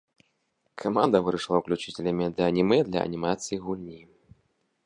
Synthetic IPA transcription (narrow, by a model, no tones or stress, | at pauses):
kʰamand̪ɐvɨɾɐʂlˠauklʲut͡ʂit͡sʲelʲɐmʲid̪ɨɐnʲimɨd̪lʲɐ̰ʔɐ̰nʲimat̪sɨjiɣulʲnʲi